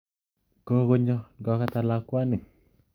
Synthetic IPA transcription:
ko˦ɣo˦ɲɔ˦ɡɔ˨˦ka˦t̪a˨la˦kwa˦ni˨

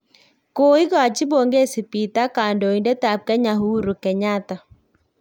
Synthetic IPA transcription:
ko˦i˦ɣa˨t͡ʃi˦bo˨ŋɡe˦si˨pi˨ta˦ka˨ndɔ˨i˨ndɛ˦ta˨p̚kɛ˦ɲa˨ɦu˦ɾu˨kɛ˨ɲa˦ta˨

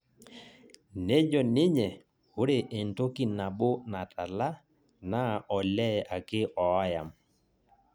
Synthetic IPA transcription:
ne˦d͡ʒɔ˨nɪ˦ɲɛ˨ | hʊ˦ɾe˨ʔe˨nto˦ki˦na˨ɓʊ˦na˨ta˨la˦ | na˦ɔ˨lɛ˦a˨kɪ˦ʔɔ˨˦ja˨m

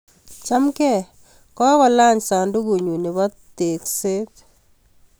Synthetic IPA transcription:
t͡ʃa˦mkɛ˦˨ | kɔ˦wɔ˨la˦ɲsa˨ndu˦ku˨ɲu˨ni˨βɔ˦t̪e˨kse˦t

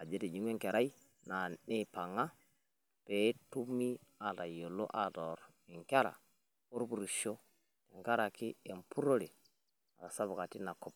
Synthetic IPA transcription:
a˨d͡ʒe˦te˨d͡ʒi˨˦ŋ˦e˦ŋke˨ɾa˦ji˦ | na˨ne˦pa˨ŋa˦ | pe˨˦tu˦mːi˦a˨ta˨jo˨lo̰˦ʔa˨tɔ˨ɾ | i˨ŋka˦ɾa̰˨ | o˦ɾbu˨ɾu˨ʃo˦ | ti˨ŋka˦ɾa˨ki˦e˨mpu˦ɾo˦le˨ | a˨ka˨sa˦bu˨ka˨ti˦na˨kɔ˦p̚

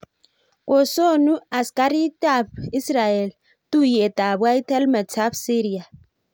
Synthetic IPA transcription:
kʼo˨so˦nu˦a˨ska˦ɾi˦ta˨bi˦sɾa˨ɛ˨l | tʼu˦jɛ˨tʼa˨bwa˦i˦tʰɛ˦lmɛ˨t͡sʰa˦bsi˦ɾi˨a˨

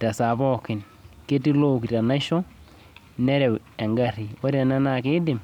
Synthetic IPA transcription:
ta˨sa˨bɔ˦kɪ˨n | ke˦ti˦lo˦˨ki˨ta˨na˦ʃɔ˦ | nɛ˦ɾɛ˨wɛ˨ŋɡa˦ɾi˨wa˦ɾɛ˨na˦na˨ke˦dɪ˨m

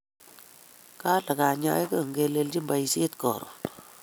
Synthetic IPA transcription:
ka˦la˨ka˨ɲa̰˦e˦kə˦˨ŋɡe˧˦le˧ld͡ʒi˦mba˨i˨se˦tkɔ̰˨ɾɔ̰˨

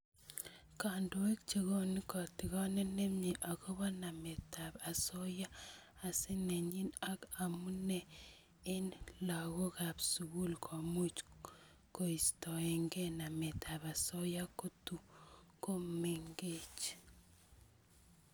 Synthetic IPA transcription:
ka˨ndo˨we˦kt͡ʃe˨ɣo˦ni˦kɔ˨ti˨ɣɔ˦nɛ˦ne˦mɲi˨ʔa˨ko˦βɔ˦na˨me˨ta˨pa˨so˦ja˦ | a˨si˦ne˨ɲi˦na˦ka˨mu˦nɛ˨ | e˦nla˨ɣo˦ka˨psuɣu˦lkʰo˨mu˦t͡ʃ | ko˨i˨stɔ˨e˨ŋɡe˦na˨me˨tʰa˨ba˨so˦ja˦ko˦tu˨ŋko˦me˨ŋɡe˦t͡ʃ

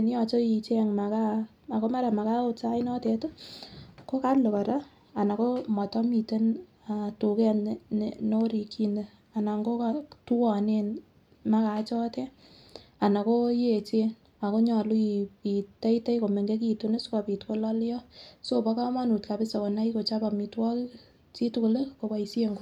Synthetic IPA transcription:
n˦jɔ˨t͡ʃo˦i˨t͡ʃɛ˦ŋma˨ka˦ | a˨ko˦ma˦ɾa˨ma˨ka˦o˨t͡ʃa˦inɔ˦tɛ˨to˦ | ko˦ka˦lo˨ka˨ɾa˦ | a˨na˨ko˦mɔ˨tɔ˦mi˨te˦n | a˨tu˨kɛ˦ | no˦ɾi˨ki˦ne˨ | a˨na˨ŋɡo˦katu˦wɔ˨ne˨n | ma˦ka˨t͡ʃɔ˦tɛ˦ | a˨na˨ko˦je˨t͡ʃe˦n | a˨ko˦ɲɔ˨lu˦iita˦ite˦jko˨me˨ŋɡe˦k̬i˨tune˦ska˨pi˨tko˦la˦ljɔ˦so˦pa˦ka˦ma˦nu˨tka˨pɪ˦sa˨kɔ˨na˦i˦ko˨t͡ʃa˦pa˨mi˨twɔ˦k | t͡ʃi˦tu˦kle˦ko˨pa˨isje˦ŋɡo˦

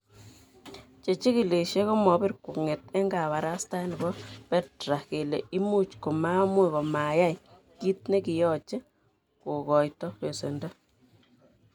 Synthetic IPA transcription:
t͡ʃe˨t͡ʃi˦ki˨le˨ʃe˦ko˦mɔ˨˦bi˦ɾku˨ŋe˨tɛ˦ŋɡa˨βa˨ɾa˦sta˦ni˨bɔ˦pɛ˦tɾa˨ke˨le˨i˦mu˦t͡ʃko˨ma˦mwe˦˨kɔ˨ma˨ja˦j | ki˦t̚ne˦ki˨jɔ˨t͡ʃe˦ | ko˨kɔ˨jtɔ˦e˨se˨ndo˦

